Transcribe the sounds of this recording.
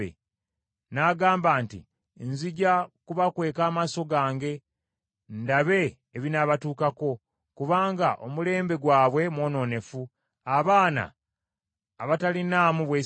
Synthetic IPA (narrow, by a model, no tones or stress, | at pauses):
ḛ | naːɡaːmbaːntḭ | nziɟakuβakwe̞ːkaːmaso̞ɡaːŋɡe̞ | ndaβe̞ː | βinaβatuːkako̞ | kuβaːŋɡaʔo̞mule̞ːmbe̞ɡwaːβwe̞mwo̞ːno̞ːne̞fu | aβaːna̰ | βatalinaːmuβwe